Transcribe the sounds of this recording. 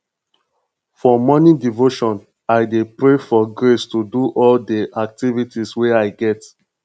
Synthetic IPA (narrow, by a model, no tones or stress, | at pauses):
fɔmɔnidivoʃɔ̃n | aɪdepɹefɔɡɾestuduʔɔldeʔak̚tivitiswɛaɪɡɛt